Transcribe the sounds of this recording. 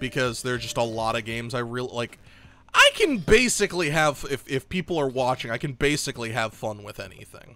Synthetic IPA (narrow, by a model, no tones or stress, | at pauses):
b̥ɨkʰʌzðə˞d͡ʒʌstəlɔɾʌɡẽɪ̃mzaɪɹɪlˠlaɪk | ʔaɪkʰɨ̃nbeɪsɨkliɨv̥ɪfɪfpʰipl̩ˠə˞wɑt͡ʃɪ̃ŋaɪkɨ̃n̩beɪsɨkliɨv̥fʌ̃nwɪðɛ̰nḭθɪ̰̃ŋ